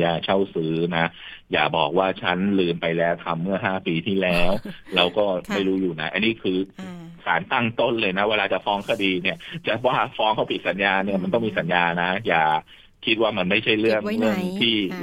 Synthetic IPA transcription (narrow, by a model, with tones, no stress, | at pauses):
jaː˧˩t͡ɕʰa˥˩wsɯː˦˥na˦˥ja̰ː˨˩bɔ̰ː˨˩k̚waː˥˩t͡ɕʰa˦˥nlɯː˧mpa˧jlɛː˦˥wt̪ʰa˧mːɯ˥˩ɐɦaː˥˩piː˧t̪ʰiː˥˩lɛː˦˥wlɛː˦˥wkɔː˥˩ma˥˩jɾuː˦˥juː˨˩na˦˥ʔa˧nːiː˦˥˩kʰɯː˧sa̰ː˩˦nt̪a˥˩ŋt̪o˥˩nlɤː˧jna˦˥weː˧laː˧t͡ɕa˨˩fɔː˦˥ŋkʰa˧˩diː˧ni˥˩ɐt͡ɕa˨˩waː˥˩fɔː˦˥ŋkʰa˥˩wpʰi˨˩t̪̚sa˩˦njaː˧ni˥˩ɐma˧nt̪ɔ˥˩ŋmiː˧sa˩˦njaː˧na˦˥jaː˨˩ | kʰi˦˥t̪̚waː˥˩ma˧nma˥˩jt͡ɕʰa˥˩jɾɯ˥˩əŋlɯ˥˩əŋt̪ʰiː˥˩